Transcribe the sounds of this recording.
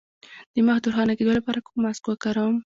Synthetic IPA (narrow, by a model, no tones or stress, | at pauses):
d̪̥əmaxd̪uɾxɑnaked̪olapɑɾakomːaskokaɾɑm